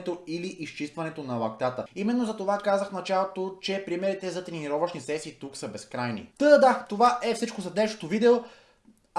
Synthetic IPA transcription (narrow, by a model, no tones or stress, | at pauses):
t̪oiliʔist͡ʃist̪vɐnɛt̪onɐlˠɐk̚t̪at̪əimɛnːozɐt̪ovakazəxnɐt͡ʃalˠot̪ot͡ʃɛpɾimɛɾit̪ɛzɐt̪ɾɛniɾɔvəʃnisɛsiːt̪uksəbɛskɾajnḭd̪̥əd̪əd̪at̪ovaʔɛfsit͡ʃkosɐd̪ɛʃo̥t̪ovid̪ɛo